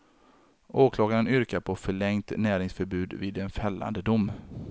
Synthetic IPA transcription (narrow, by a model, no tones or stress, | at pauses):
ʔoːkʰlɑːɡaɾənʏɾkaɾpʰɔfœɭɛŋt̪næːɾɪŋsfœɾbʉ̟ːd̪vɪːd̪ɛnfɛlːa̰nd̪əd̪ʊm